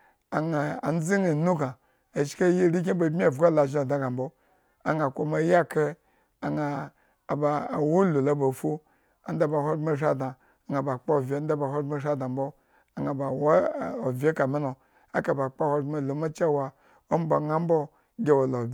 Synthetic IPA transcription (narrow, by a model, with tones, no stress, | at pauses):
a˨ŋa˨a˨n̩˦zi˦na˨nu˦ɡa˨ | a˨ʃka˦je˦ɾi˦k̬ʲe˦bo˨bmʲi˦a˨vɡa˦la˨ʒi˦o˨da˨˦ɡa˨m̩bo˦ | a̰˨ŋa˨kʷo˨ma˨˦ja˦kʰe˦ | a˨ŋaː˨ | ba˨wo˦lu˨la˨bo˨fu˦ | a˨n̩˦da˦ba˨hʷo˦me˦ʃa˦da˨ | a˨ŋa˨ba˨k͡pa˦˨vʲe˨˦n˦da˦ba˨ho˦me˦ʃa˦da˨m˦bo˦ | a˨ŋa˨ba˨wo˦˨o˨vʲe˦ka˨mi˦no˨ | a̰˦ka˨ba˨k͡pa˦˨ho˦˨me˦˨lo˨ma˦t͡ʃa˦˨wa˨ | o˦m˦bo˨ŋa˦m˦bo˦ | ɡʲe˦wo˨lo˨